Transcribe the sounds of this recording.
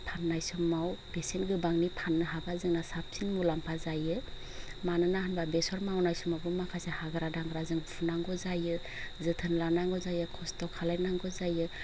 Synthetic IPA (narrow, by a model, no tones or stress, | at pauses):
pʰanːajsɔmːawb̥esenɡɯbaŋnipʰanːɯɦabazɯŋnasap̚sinmulampʰazajɯ | manɯnahanbabesɔɾmawnajsumabɯmakʰasehaɡɯɾadaŋɡɾazɯŋpʰunaŋɡɔzajɯ | zɯtʰɯnlanaŋɡɔzajɯkʰɔstɔkʰalajnaŋɡɔzajɯ